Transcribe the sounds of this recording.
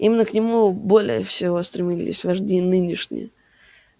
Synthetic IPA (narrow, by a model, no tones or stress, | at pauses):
imʲɪnːəknʲɪmubo̞lʲɪ̰jəfsʲɪvo̞st̪ɾʲɪmʲilʲɪ̰sʲvɐʐdʲejnɨnʲɪʂnʲɪ̰jə